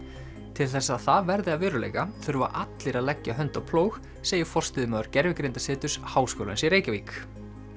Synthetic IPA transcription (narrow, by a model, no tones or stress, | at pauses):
t̪ʰɪlθɛsːaːðθaðvɛɾðɪaðvɪːɾʏlḛjkaθʏɾva̰ʔat̪lɪɾaðlɛcːaɦœnt̪ɔɣpʰloːwx | seːjɪ̥fɔr̥st̪ɪðʏmaːðʏɾ̥cɛɾvɪkɾejnt̪ḁsɪːt̪ʏshaːwskoːla̰nsiɾeːjcaviːk